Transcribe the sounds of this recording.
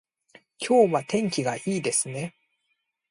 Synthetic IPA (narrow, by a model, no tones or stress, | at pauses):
kʲʰo̞ːβat̪ẽ̞ŋkʲiɡaʔiːd̪e̞sɨne̞